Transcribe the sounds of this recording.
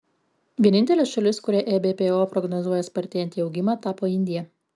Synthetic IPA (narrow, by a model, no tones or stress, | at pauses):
ʋʲiɛnʲɪnʲt̪ʲɛlʲesʃɐlʲɪskʊɾʲɛʔɛbʲeːpʲeːoːpɾɔɡnɔzuɔjɛspɐɾʲt̪ʲɛɛnʲt̪ʲiːɒʊɡʲɪmɑːt̪ɑːpoːɪnʲd̪ʲɪjɛ